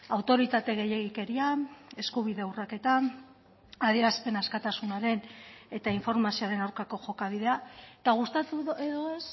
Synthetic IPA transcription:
awt̪o̞ɾit̪at̪e̞ɣ̞e̞je̞ɣ̞ike̞ɾiae̞skuβ̞iðe̞wrake̞t̪a | aðie̞ɾaspe̞naskat̪asunaɾe̞ne̞t̪aiɱfo̞ɾmasioaɾe̞nawɾkako̞ʝo̞kaβ̞iðe̞at̪aɣ̞ust̪at̪ueðoes

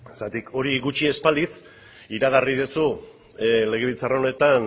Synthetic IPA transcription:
sat̪ikʰo̞ɾiɣut͡ʃie̞spalit͡s | iɾaɣ̞ariðusu | le̞ɣ̞e̞β̞ilt͡saro̞ne̞t̪an

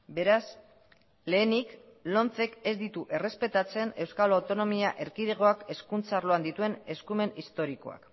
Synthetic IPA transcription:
be̞ɾas | le̞ːnik | lo̞nt͡se̞ke̞zd̪it̪uʔe̞re̞spe̞t̪at͡se̞ne̞wskalawt̪o̞no̞miaʔe̞ɾkiðeɣ̞o̞ake̞skunt͡sarlo̞and̪it̪ue̞ne̞skume̞nist̪o̞ɾiko̞̰a̰k

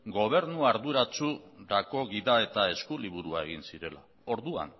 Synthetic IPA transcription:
ɡo̞β̞e̞ɾnuaɾðuɾat͡suɾako̞ɣiðae̞t̪ae̞skuliβuɾuae̞ɣ̞insiɾe̞la̰ | o̞ɾðua̰n

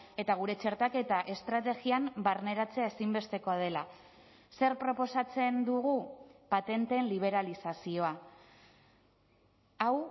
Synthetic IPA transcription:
e̞t̪aɣ̞uɾe̞t͡ʃe̞ɾt̪ake̞t̪aʔe̞st̪ɾat̪e̞ɣiambarne̞ɾat͡seae̞simbe̞st̪e̞ko̞að̞e̞la | se̞ɾpɾo̞po̞sat͡se̞nd̪uɣ̞upat̪e̞nt̪e̞ːnliβ̞e̞ɾalisasio̞a | aw

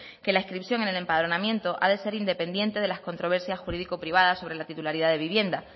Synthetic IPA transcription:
ke̞laeskɾipθjo̞ŋe̞ne̞le̞mpaðɾo̞nãmjẽ̞nt̪o̞ʔa̰ðe̞se̞ɾind̪e̞pe̞nd̪je̞nt̪e̞ðe̞lasko̞nt̪ɾo̞β̞e̞ɾsjasxuɾiðikopɾiβ̞að̞aso̞βɾe̞lat̪it̪ulaɾiðaðe̞βiβ̞je̞nd̪a

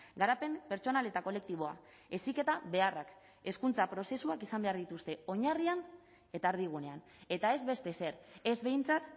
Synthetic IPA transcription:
ɡaɾape̞npe̞ɾt͡ʃo̞nale̞t̪ako̞le̞k̚t̪iβ̞o̞a̰ | e̞sike̞t̪aβe̞arak | e̞skunt͡sapɾo̞se̞suakisambe̞aɾðit̪ust̪e̞o̞ɲarian | e̞t̪aːɾð̞iɣ̞une̞an | e̞t̪ae̞zβe̞st̪e̞se̞ɾe̞zβe̞jnt͡sat̪

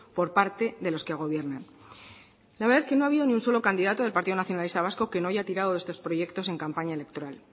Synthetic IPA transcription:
po̞ɾpaɾt̪e̞ðe̞lo̞skeaɣ̞o̞βje̞ɾnan | laβeɾðaeske̞no̞aβiðo̞niunso̞lo̞kand̪iðat̪o̞ðe̞lpaɾt̪iðo̞naθjonalist̪aβ̞asko̞ke̞no̞ajat̪iɾað̞o̞ðe̞st̪o̞spɾo̞je̞kt̪o̞se̞ŋkampaɲaele̞k̚t̪o̞ɾal

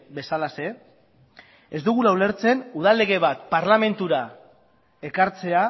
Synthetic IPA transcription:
be̞salase̞ | ezd̪uɣulawle̞ɾt͡se̞nuð̞alːe̞ɣ̞e̞β̞at̪paɾlame̞nt̪uɾa | e̞kaɾt͡se̞a

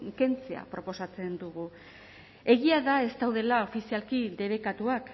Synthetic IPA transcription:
ke̞nt͡sea̰pɾo̞po̞sat͡se̞nd̪uɣ̞u | e̞ɣiaðae̞st̪awðe̞lao̞fisialkid̪e̞βe̞kat̪uak

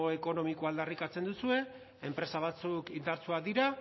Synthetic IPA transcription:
oe̞ko̞no̞mikoald̪arikat͡se̞nd̪usue̞ | empɾe̞saβ̞at͡sukind̪aɾt͡suad̪iɾa

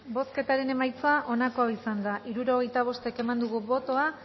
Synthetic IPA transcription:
bo̞ske̞t̪aɾe̞ne̞majt͡saʔo̞nako̞aisand̪aʔiɾuɾo̞ɣ̞e̞jt̪aβ̞o̞st̪e̞ke̞mand̪uɣuβo̞t̪o̞a

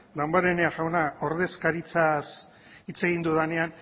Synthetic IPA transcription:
lambaɾeneaɣawnao̞ɾðe̞skaɾit͡sas | it͡se̞ɣind̪uðane̞an

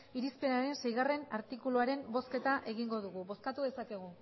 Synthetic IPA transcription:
iɾispe̞naɾe̞nse̞jɣare̞naɾt̪ikuluaɾe̞mbo̞ske̞t̪aʔe̞ɣ̞iŋɡo̞ð̞uɣ̞uβo̞skat̪uðe̞sake̞ɣ̞u

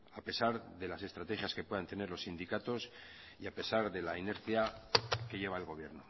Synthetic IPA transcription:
ape̞saɾðe̞lase̞st̪ɾat̪e̞xjaske̞pwe̞ðant̪e̞ne̞ɾlo̞sːind̪ikat̪o̞s | iape̞saɾðe̞laine̞ɾθjake̞ʝe̞βaelɣo̞βje̞ɾno

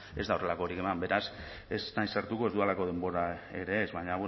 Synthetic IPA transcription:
e̞zd̪aore̞lako̞ɾike̞mambe̞ɾas | e̞snajsaɾt̪ukoe̞zd̪ualako̞ðe̞mbo̞ɾae̞ɾe̞ːzβaɲaβu

